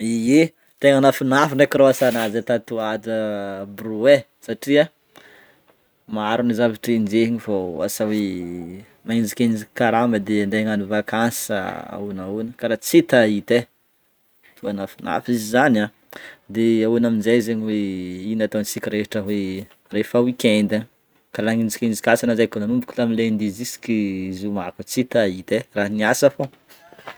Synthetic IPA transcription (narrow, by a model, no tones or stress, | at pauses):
ije | t̪eŋanafunafiɳekɾoasanazat̪at̪uad̪əbrue | saʈ͡ʂia | maaɾunizavaʈ͡ʂind͡ʒeiɲifoa̰sawe | maind͡zikand͡zikaɾambəd̪end̪eŋanivakansə̰a̰unaunəkaɾat͡sit̪ait̪e | t̪uanafina̰fizizana | d̪eaunaminzajzeɲiweinat̪ant͡sikʲiɾeʈ͡ʂəɦwe | refawikʲend̪a | kaɾaŋind͡zikind͡zi̥kʲasanəzajkonanumbuku̥t̪amnlend̪izisi̥kʲizumakut͡sit̪ait̪eraɦaniasafo